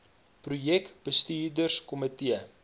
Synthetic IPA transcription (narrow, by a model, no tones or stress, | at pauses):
prujɛkb̥əstiːrdərskɔmətiə